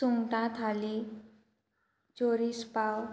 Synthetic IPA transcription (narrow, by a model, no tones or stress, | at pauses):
suŋʈãt̪ʰali | t͡ʃoɾispaw